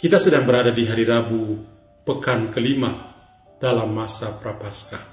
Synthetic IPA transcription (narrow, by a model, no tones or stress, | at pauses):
kit̪asədaŋbəɾadadiɦaɾiɾabu | pəkankəlima | d̥alamːasapɾapaska